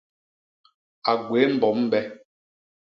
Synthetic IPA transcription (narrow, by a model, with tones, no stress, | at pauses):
a˨ɡwe˨˦m̩˦˨bɔ˨˦m˦bɛ˦